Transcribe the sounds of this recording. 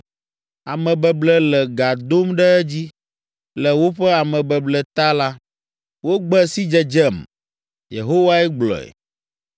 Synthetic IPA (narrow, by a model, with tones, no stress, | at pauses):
a˨mɛ̃˨bɛ˨blɛ˦lɛ˨ɡa˨d̪o˦mɖɛ˦ɛ˦d͡ʑi˦ | lɛ˨wo˦ɸɛ˦a˨mɛ̃˨bɛ˨blɛ˨t̪a˦la˦ | wo˦ɡ͡bɛ˦si˦d͡ʒɛ˨d͡ʒɛ˦˨m | jḛ˨ɦo˦wa˦ɛ˦ɡ͡blɔ̰˨ɛ̰˨